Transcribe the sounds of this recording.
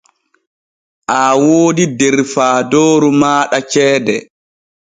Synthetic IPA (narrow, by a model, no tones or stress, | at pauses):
ʔawoːdidɛɾfaːdoːɾumaːɗat͡ʃɛːdɛ